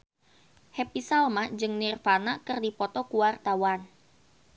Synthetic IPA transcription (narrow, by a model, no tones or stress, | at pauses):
hɛpisalmad͡ʒɨŋnirfanakɨrdipɔt̪ɔkuwart̪awan